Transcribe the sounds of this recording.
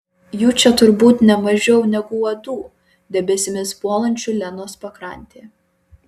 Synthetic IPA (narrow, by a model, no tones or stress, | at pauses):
juːt͡ʃʲɛt̪ʊɾbuːt̪nʲɛmɐʒʲɛʊnʲɛɡʊɔd̪uː | d̪ʲɛbʲɛsʲɪmʲɪspuɔlˠɐnʲt͡ʃʲʊlʲɛnoːspɐkɾɐˑnʲt̪ʲeː